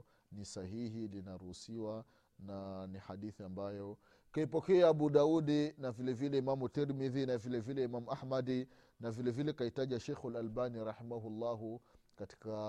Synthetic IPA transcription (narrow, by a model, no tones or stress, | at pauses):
nisahihilinaɾuhusiwa | nanihaɗiθiambajɔ | kaipɔkɛaːɓuɗauɗinavilɛvilɛimamutɛɾmiðinavilɛvilɛimamuʔaħmadi | navilɛvilɛkaitaʄiaʃɛjxalalbaniɾaħimaɦulːaɦukati̥ka